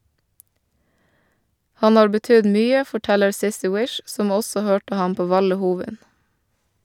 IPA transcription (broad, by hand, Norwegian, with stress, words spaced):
ˈhɑn ˈhɑːɾ bəˈtʏd ˈmyːə fɔˈʈɛləɾ ˈsɪsɪ ˈwɪʃ ˈsɔm ˈɔsɔ ˈhøːʈə ˈhɑm ˈpoː ˈʋɑlə ˈhuːʋɪn